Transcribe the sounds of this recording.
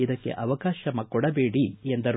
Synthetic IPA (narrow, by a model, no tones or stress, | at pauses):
id̪ɐkːḛʔɐʋɐkaːʃɐmɐkɔɽɐbeːɽiend̪ɐɾ